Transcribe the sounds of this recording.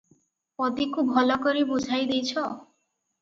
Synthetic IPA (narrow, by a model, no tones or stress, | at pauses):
pɔd̪ikubʱɔlɔkɔɾibud͡ʒʱajd̪ejt͡ʃʰɔ